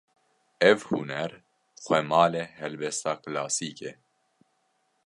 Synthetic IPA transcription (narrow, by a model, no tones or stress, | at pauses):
ɛvhṵnɛɾ | xʷɛmɑːlɛhɛlbɛst̪aːklaːsiːke